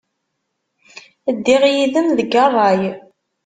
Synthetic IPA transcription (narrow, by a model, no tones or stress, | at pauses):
əd̪ːiʁjiðəmðəɡɑrˤːɑj